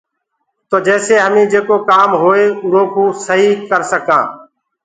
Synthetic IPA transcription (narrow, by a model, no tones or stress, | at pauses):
t̪oːd͡ʒɛːseːɦəmĩːd͡ʒeːkoːkaːmɦoːeːʊɾoːkũːsəɦiːkəɾsəkãː